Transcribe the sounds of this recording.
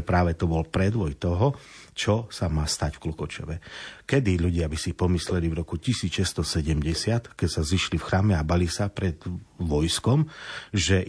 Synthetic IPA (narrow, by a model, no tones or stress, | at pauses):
pɾaːʋɛt̪ɔbɔlpɾɛd̪ʋɔjt̪ɔɦɔ | t͡ʃɔsamaːst̪acfklɔkɔt͡ʃɔ̰ʋɛkɛd̪iʎuɟɪabisipɔmislɛlivɾɔkucisiːt͡sʃɛst̪ɔsɛɟɛmɟɛsɪat̪kɛcsaziʃlifxɾaːmɛabalisapɾɛd̪ʋɔjskɔmʒɛ